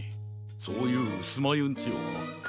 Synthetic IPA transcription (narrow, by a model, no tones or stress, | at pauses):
soːjɯːɯsɨmajɯ̃nt͡ɕɨ̰